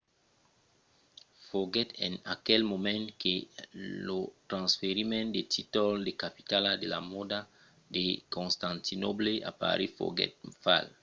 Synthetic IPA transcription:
foɡɛt̪enakɛlmomẽnkelot̪ɾãnsfeɾimẽnd̪et̪ʰit̪old̪ekapi̥t̪alad̪elamod̪a | d̪ekõnst̪ãnt̪inobleʔa̰pa̰ɾefo̰ɡɛ̰t̪̚fa̰l

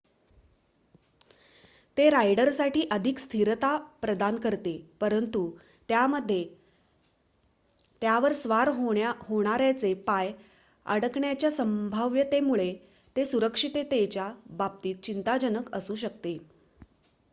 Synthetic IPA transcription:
t̪eɾajɖəɾsaʈiːʔəd̪ʱikst̪ʰiɾt̪apɾəd̪ankəɾt̪epəɾənt̪u | t̪jaməd̪ʱːje | t̪jaʋəɾsʋaɾɦɦoɽ̃aɾjat͡sepaj | ə̰ɽəkɳjat͡ɕjasəmbʱaʋjət̪emuɭe | t̪esuɾəkʂit̪et̪et͡ɕjabab̚t̪iːt̪̚t͡ɕint̪ad͡ʑənəkə̰suːɕək̚t̪e

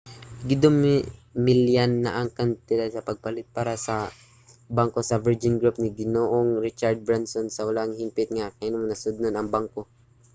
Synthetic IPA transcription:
ɡɪd̪ommɪljanːɐʔaŋkant̪ɪɾasɐpɐɡ̚palɪt̪̚paːɾɐsɐ | baŋkosɐvɛɹd͡ʒɪnɡɾup̚nɪɡɪnoʔoŋɾɪt͡ʃaɹd̪̚bɹansonsɐwɐlaŋhɪmpɪt̪̚ŋaʔkɐʔɪnomnɐsʊd̪̚nonɐŋbaŋko

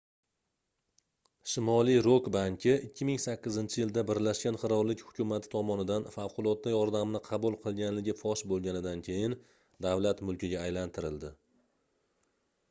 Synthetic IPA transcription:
ʃɪmɒlˠijɾokbaŋkʲʰɪɪkʲːɪmɪŋsakʲːɪzɪnt͡ʃʰɪjɪld̪abɪɾlaʃkʲanχɨɾɒɾlɪkʲhʊ̥kʲʊmat̪ʰɪ̥t̪ʰɒmɒnɪd̪anfawqʰʊlˠɒt̪̚ːajɒɾd̪amnɪqʰɑbulˠqʰɨlˠɡʲanlɪɡʲɪfɒʃbolˠɡʲanɪd̪ankʲʰe̞jɪn | d̪avlat̪mʊlˠkʲɪɡʲaːjlant̪ʰɪɾɪld̪ɪ

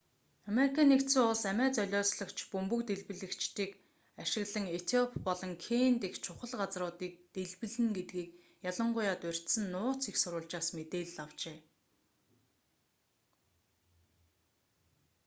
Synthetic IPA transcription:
ameɾikʰaːnekt̪suːʊɮsæmæːt͡sœɮʲɔːsɮə̆kt͡ɕʰpɵmpɵ̆kt̪eɮpɘ̆ɮɘ̆kt͡ɕt̪iːk | aʃɪ̆ɣɮə̆ŋet̪ʰiɔpʰːɔɮɞ̆ŋkʰent̪ekt͡ɕʰʊχə̆ɮɢat͡srʊːt̪iːk̚t̪eɮpɘ̆ɮɘ̆ŋɡet̪ɡiːk | jaɮə̆ɴɢʊjaːt̪ʊr̥ʲt̪sɘ̆nːʊːt͡sixsʊɾʊːɮt͡ɕaːsmet̪eːɮːaw̥t͡ɕeː

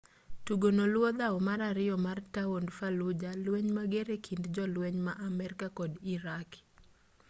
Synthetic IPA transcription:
tuɡonolwɔd̪aɔmaɾaɾɪɔmartawondfalʊd͡ʒalwɛɲmaɡɛɾekʰindd͡ʒɔlweɲmaʔamɛɾɪkakɔdiɾak

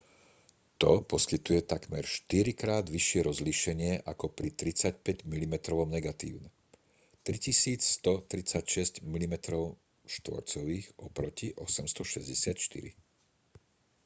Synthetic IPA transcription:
t̪ɔpɔskit̪ujɛt̪aɡmɛɾʃt̪iɾikɾaːd̪ʋiʃɪɛɾɔzliʃɛɲɪɛʔakɔpɾit̪ɾit͡sac̚pɛɟmilimɛt̪ɾɔʋɔmnɛɡat̪ḭːʊnɛ | t̪ɾicisiːt͡sst̪ɔt̪ɾit͡sacʃɛscmilimɛt̪ɾɔʊ | ʃt̪ʋɔ̰ɾt͡sɔʋiːɣɔpɾɔciʔɔsɛmst̪ɔʃɛzɟɛsɪat̪ʃt̪ḭɾḭ

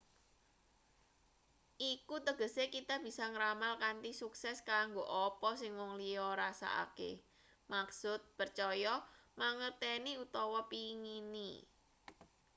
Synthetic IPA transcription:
ʔikut̪əɡ̥ə̤sekit̪ab̥i̤sɔŋɾamalkant̪isuksɛskaŋɡoʔɔpɔsɪŋwɔŋliɔɾasa̰ʔa̰kḛ | maksʊt̪̚pərt͡ʃɔjɔmaŋət̪eniut̪ɔwɔpiŋinḭ

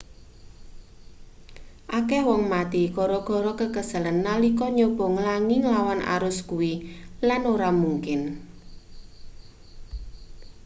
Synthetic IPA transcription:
ʔakɛhwɔŋmat̪ikɔɾɔɡ̥ɔ̤ɾɔkəkəsə̤lənːalikɔɲob̥ɔ̤ŋlaŋɪŋlawanʔa̰ɾʊskuwilanoɾamuŋkɪn

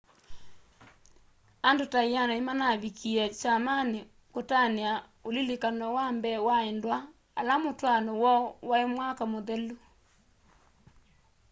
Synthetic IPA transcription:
andotaianaimanaβikiɛt͡ʃamane | kotanea | olilekanɔwambɛwaɛndwa | a̰lamotwanɔwɔwaemwakamoðɛlu

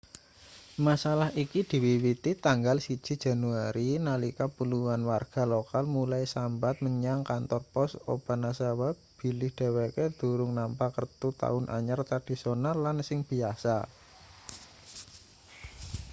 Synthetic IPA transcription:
masalahikid̪̥i̤wiwit̪it̪aŋɡalsid̥ʒ̥i̤̥ʒ̥a̤nuaɾinalikapuluwanwarɡ̥a̤lokalmulajsambat̪̚məɲaŋkant̪ɔrpɔso̰b̥a̤nasawa | b̥i̤lɪhd̪̥a̤weked̪̥ṳɾʊŋnampakərt̪ut̪a̰ʊnʔa̰ɲərt̪ɾad̥i̤sonalːansɪŋb̥i̤asa̰

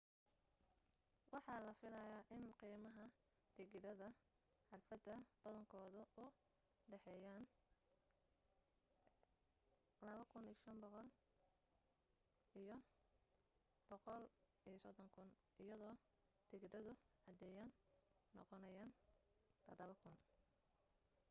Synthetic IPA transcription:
wʔɑħɑːlɐfɪlɐjaːʔɪnqiːmɐɦɐ | d̪̥ɪɣɪdɐðɐ | ʕɑrfɐd̪ɐb̥ɐðɐŋkʰɔːðʊʊ | ɖɛħɛːjaːn | lɐβɐkʰʊniʃɐnbɔqɔl | ijɔ | b̥ɔqɔl | ijsɔd̪ɔŋkʰʊn | ɪjɐðɔː | d̪̥ɪɡdɐðʊʕɑd̪ɛːjaːnːɔ̰qɔnɐjaːnlɐðɐβɐkʰʊn

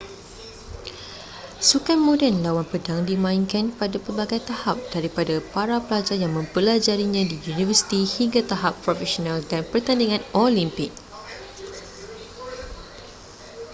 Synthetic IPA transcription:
sukanmõdɛnlawanpədaŋdimãiŋkanpadapərbaɡajt̪ahap̚d̥aɾipadapaɾapəlad͡ʒajaŋmə̃mpəlad͡ʒaɾiɲãdiunivəsi̥t̪ihiŋɡat̪aɦapːɾɔfɛsonaldanpərt̪andiŋãnɔlimpɪk̚

